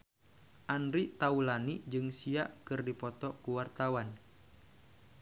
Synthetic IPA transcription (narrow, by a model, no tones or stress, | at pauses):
ʔanɾit̪aulanid͡ʒɨŋsia̰ʔkɨrdipɔt̪ɔkuwart̪awan